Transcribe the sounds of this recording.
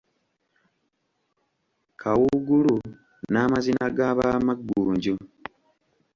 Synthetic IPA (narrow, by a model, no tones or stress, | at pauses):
kʰawuɡulu | namazinaɡaːβamaɡːuːɲɟu